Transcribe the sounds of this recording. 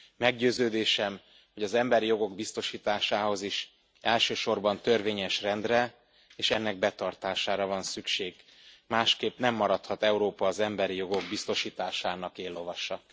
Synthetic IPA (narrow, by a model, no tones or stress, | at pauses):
mɛɡɟøːzøːd̪eːʃɛm | hoɟɒzɛmbɛɾijo̞ɡo̞ɡbist̪o̞ʃiːt̪aːʃaːho̞ziʃ | ɛlʃøːʃo̞rbɒnt̪ø̞rveːɲɛʃrɛnd̪rɛ | eːʃɛnːɛɡ̚bɛt̪ɒrt̪aːʃaːɾɒvɒnsykʃeːɡ | maːʃkeːpnɛmːɒɾɒt̪hɒt̪ɛuɾoːpɒːzɛmbɛɾijo̞ɡo̞ɡbist̪o̞ʃiːt̪aːʃaːnɒkeːlːo̞vɒʃɒ